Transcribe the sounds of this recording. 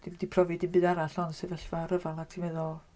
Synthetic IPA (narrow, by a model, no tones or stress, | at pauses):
d̥ɪmdipʰrɔvidɪmbɨːdaɾaɬɔnsevɛɬvaɾəvalˠaktʰimɛðɔ